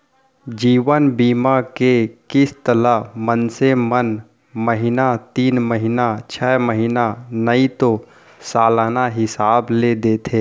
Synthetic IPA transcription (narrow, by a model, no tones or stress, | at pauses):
d͡ʒiːʋənbiːmakekɪst̪ələɦmənsemən | məɦɪnat̪iːnməɦɪnat͡ʃʰɛːməɦɪnanəit̪o | saːlanaɦɪsaːbled̪eːt̪ʰeː